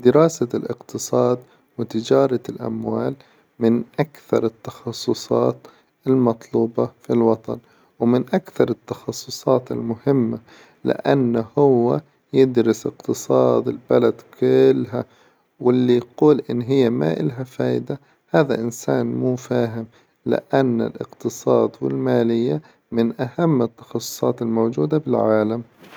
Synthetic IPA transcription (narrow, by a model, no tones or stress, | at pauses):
d̪ɪɾɑːsalʔɪqt̪ɨsˤɑːd̪ | wɪt̪ɪd͡ʒɑːɾˤɑlʔa̰mwaːl | mɪnʔakθɑɾˤɪt̪ːɑ̥xɑsˤːʊsˤɑːt̪ | ɪlmɑt̪ˤluːbɑfilwɑt̪ˤɑ̰n | wmɪnʔakθɑɾˤɪt̪ːɑxɑsˤːʊsˤɑːt̪ɪ̰lmʊhɪmːa | lɪ̰ʔanːhʊwːa | jɪd̪ɾɪsɪqt̪ɨsˤɑːd̪ɪlbalad̪kʊlːɦa | wɪlːiquːlʔɪnːɦɪjːama̰ʔɪlɦafaːjd̪a | haːða̰ʔɪnsaːnmuːfaːɦɪm | lɪ̰ʔanːɪ̰lʔɪ̰qt̪ɨsˤɑːd̪wɪ̰lmaːlɪjːa | mɪnʔahamːɪt̪ːɑ̥xɑsˤːʊ̥sˤɑːt̪ɪlmoːd͡ʒuːd̪abɪlʕaːlam